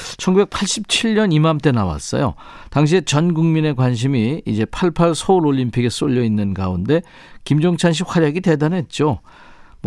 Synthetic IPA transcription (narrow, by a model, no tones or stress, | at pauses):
t͡ɕʰʌnɡube̞k̚pʰaɭɕ͈ip̚t͡ɕʰiɭɲʌnimamt͈e̞nawa̰s͈ʌ̰jo̰ | taŋɕ̬ʰiet͡ɕʌnɡuŋmine̞kwanɕ̬ʰimiid͡ʑe̞pʰaɭpʰaɭsʰouɾoʎːimpʰiɡes͈oʎːʌinːɯnɡa̰unde̞ | kimd͡ʑoŋt͡ɕʰanɕ̬ʰiɸwaɾjaɡite̞danɦe̞t̚t͡ɕ͈o